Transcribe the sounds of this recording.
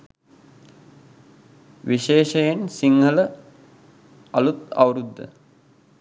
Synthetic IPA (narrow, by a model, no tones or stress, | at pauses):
ʋiʃeːʃɐjensiŋɡələ | ɐlut̪ɐ̰wɾud̪ːə̰